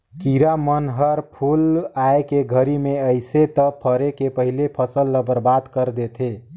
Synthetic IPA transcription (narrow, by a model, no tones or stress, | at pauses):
kiɾamənɦəɾpʰulaekeɡʱəɾimeəjset̪əpʰəɾekepəɦilepʰəsəlːəbəɾbad̪kəɾd̪et̪ʰe